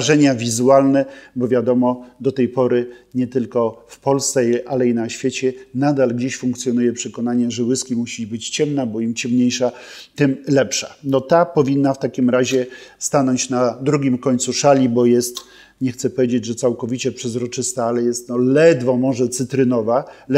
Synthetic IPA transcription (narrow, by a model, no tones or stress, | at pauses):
ʐɛɲavʲizualnɛbɔvʲjad̪ɔmɔd̪ɔt̪ɛjpɔɾɘɲɛt̪ɘlkɔfpɔlst̪sɛʔalɛinaɕfʲjet͡ɕɛnad̪alɡd͡ʑeɕfuŋk̚t̪sʲjɔnujɛpʂɛkɔnaɲɛʐɛwɘskʲimuɕibɘt͡ɕt͡ɕɛmnabɔimt͡ɕɛmɲejʂa | t̪ɘmlɛpʂa̰nɔt̪apɔvʲinːaft̪akʲimɾaʑɛst̪anɔɲt͡ɕnad̪ɾuɡʲimkɔɲʲt̪suʂalʲibɔjɛst̪ | ɲɛxt̪sɛpɔvʲed͡ʑed͡ʑʐɛt̪sawkɔvʲit͡ɕɛpʂɛzɾɔt͡ʂɘst̪aalɛjɛst̪nɔlɛd̪vɔmɔʐɛt̪sɘt̪ɾɘnɔva